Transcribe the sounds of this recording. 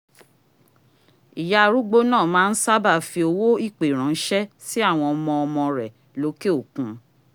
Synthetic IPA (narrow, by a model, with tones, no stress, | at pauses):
i˨ja˧ɾu˦ɡ͡bo˦nãː˦˨mãː˦˧n̩˦sa˦ba˦˨fi˧o˧wo˦i˦˨k͡pe˨ɾ̃ã˨n̩˦ʃɛ˦si˦a˦˨w̃ɔ̃˧ɔ˧mɔ̃˧ɔ˧mɔ̃˧ɾɛ˨ | lo˨˦ke˦o˦˨kũ˨˦